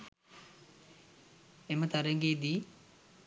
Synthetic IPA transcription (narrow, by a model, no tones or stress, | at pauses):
emət̪aɾəŋɡed̪iː